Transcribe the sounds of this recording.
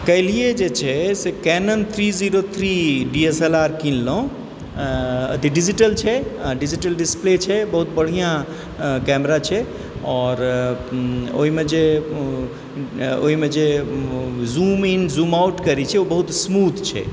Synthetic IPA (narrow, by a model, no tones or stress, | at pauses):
kəlied͡ʒet͡ʃʰɛsekɛnənt̪ʰɾiziɾot̪ʰɾiɖieselaɾkinloõ | ə̰t̪iɖid͡ʒiʈəlt͡ʃʰɛɖid͡ʒiʈəlɖisplet͡ʃʰɛbəɦut̪bəɽ̤ijã | kɛmɾat͡ʃʰɛ | ɔɾ | o̰ɦimed͡ʒe | o̰ɦimed͡ʒe | zuminzumauʈkəɾit͡ʃʰɛobəɦut̪smud̪ʱt͡ʃʰɛ̰